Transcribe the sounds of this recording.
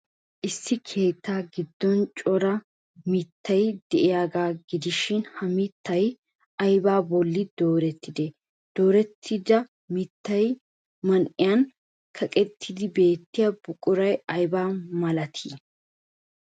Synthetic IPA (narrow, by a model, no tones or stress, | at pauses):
ʔɪsːɪkʰe̞ːt̪ːaːɡɪd̪ːɔnt͡ʃʼɔɾɐ | mɪt̪ːɐjd̪ɛʔɪjaːɡaːɡɪd̪ɪʃɪnhɐmɪt̪ːɐj | ɐjbaːbɔlːɪd̪o̞ːɾɛt̪ːɪd̪e | d̪̥o̞ːɾɛt̪ʰːɪd̪ɐ | mɪt̪ːɐj | mɐnʔɪjɐn | kʰɐkʼɛt̪ʰːɪd̪ɪbe̞ːt̪ːɪjɐbʊkʼʊɾɐjɐjbaːmɐlɐt̪ʰiː